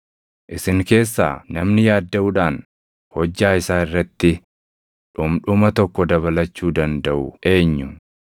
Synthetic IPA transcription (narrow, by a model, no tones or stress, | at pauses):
ʔɪsɪŋke̞ːsːa̰ːnɐmnɪjaːd̪ːɐʔʊᶑaːn | hɔd͡ʒːaːɪsaːɪrːɐt̪ːɪ | ᶑʊmᶑʊmɐt̪ɔkːɔd̪ɐβɐlɐt͡ʃːuːd̪ɐnd̪ɐʔʊʔe̞ːɲːʊ